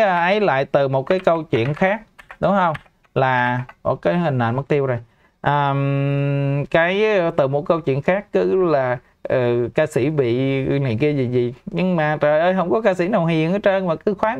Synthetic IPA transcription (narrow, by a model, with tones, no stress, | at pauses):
ə˨˩ʔə˨˦jla̰ː˧˨jt̪ɨ˨˩mo˨˩t̚kaː˨˦jkə˧wt͡ɕwḭ˧˨ənxaː˦˥k̚ɗʊ˨˦ŋ͡mhə˧wŋ͡m | laː˨˩mo˨˩kaː˨˦jhï˨˩ŋ̟ʔa̰˧˨nmə˨˦˥t̪i˧əwzo˨˩j | ʔəː˨˩m | kaː˨˦jt̪ɨ˨˩mo˨˩t̚kə˧wt͡ɕwḭ˧˨ənxaː˦˥k̚kːɨ˨˦laː˨˩ | ʔəː˨˩kaː˧sḭ˧˩˥ɓḭ˧˨nḭ˧˨ənki˧əzi˨˩zi˨˩ɲɨ˧ŋmaː˨˩əː˨˩jʔəː˧jɦə˧wŋ͡mkɔ˨˦kaː˧sḭ˧˩na˨˩wɦi˨˩əŋʔɨː˨˦t͡ɕə˧nmaː˨˩kɨ˨˦xwaː˨˦